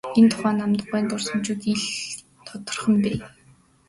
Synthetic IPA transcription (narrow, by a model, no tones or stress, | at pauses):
ent̪ʰʊ̥χæːnamt̪ə̆χujːnt̪ʊrsə̆mt͡ɕuːt̪iɮ | t̪ʰɔt̪ɞ̆rχə̆mpeː